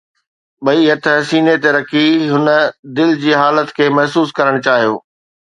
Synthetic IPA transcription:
ɓɐiɐt̪ʰɦɐsiːnet̪eɾɐkʰiɦʊnə̆d̪ɪld͡ʑiːɦaːlət̪kʰeːmɐɦsuːskɐɾəɽ̃ʊt͡ɕaːɦijo̰ː

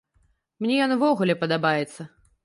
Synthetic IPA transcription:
mnʲɛjɔnvɔɣulʲɛpɐd̪abajɛt̪sːɐ

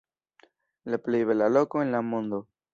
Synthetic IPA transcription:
laplejβelalokoenlamond̪o

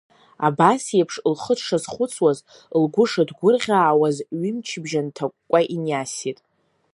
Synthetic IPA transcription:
a̰basjapʰʂlχəʂazχʷʊt͡sʰwaz | lɡʷʊʂadɡʷʊrʁʲaːwazɥimt͡ʃʰbʒantʰakʷʼːaʔinjasitʼ

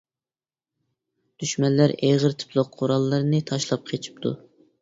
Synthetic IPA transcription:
d̪̥yʃmɛnlːæɾeʁəɾt̪ʰɨ̥pʰlˠʊqqʰːoɾɑlˠːɨɾɨnɨt̪ʰɑʃlˠɑp̚qʰet͡ʃʰi̥p̚t̪ʰṵ

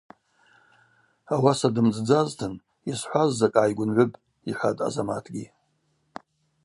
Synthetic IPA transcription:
awasadɨmd͡zʼd͡zaztʰɨn | isħʷazːakʼaːjɡʷʊnʕʷɨpʼ | iħʷatʼa̰zamatʰɡʲi

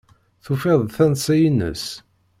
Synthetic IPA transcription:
θufeðˤθænsæjinə̰s

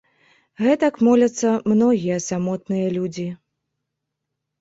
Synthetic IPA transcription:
ɣɛt̪ɐkmɔlʲɐt̪sːɐmnɔɣʲijɐsamɔt̪nɨjɐlʲud͡zʲi

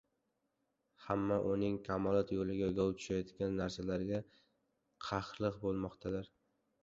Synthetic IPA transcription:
hamːaʔʊnɪŋkʲʰamɒlˠɒt̪jolɪɡʲaɡɒwt̪ʰʊ̥ʃajɒt̪kʲanːaɾsalaɾɡʲa | qʰɑχlˠɨqbolˠmɒqt̪ʰad̪ɪɾ

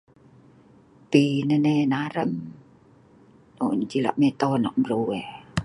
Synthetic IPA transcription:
pinənenaɾəm | oɲt͡ʃila̰ʔmet̪ɔnɔ̰ʔmɾoe

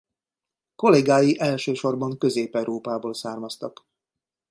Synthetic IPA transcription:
ko̞leɡaːjiʔɛlʃøːʃo̞rbɒŋkø̞zeːpɛwɾoːpaːboːlsaːrmɒst̪ɒk

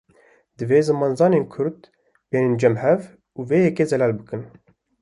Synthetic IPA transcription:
d̪ɨveːzɨmɑːnzɑːneːnkʰʊɾd̪ | b̥eːnend͡ʒɛmhɛv | uːveːjɛkeːzɛlæːlbɨkɨn

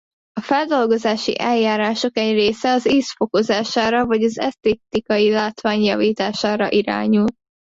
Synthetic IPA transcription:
ɒfɛld̪o̞lɡo̞zaːʃḭʔɛljaːɾaːʃo̞kɛɟreːsɛɒziːsfo̞ko̞zaːʃaːɾɒvɒɟɒzɛ̰st̪eːt̪ikɒjilaːt̪ʋaːɲjɒviːt̪aːʃaːɾɒʔiɾa̰ːɲult̪

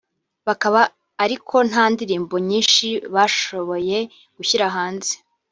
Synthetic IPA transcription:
βakaβaː | ɾikʰo̞n̥haːndiɾiːmboɲiːnʃiβaːʃo̞βo̞je̞ | ɡ̥uçiɾaɦaːnze̥

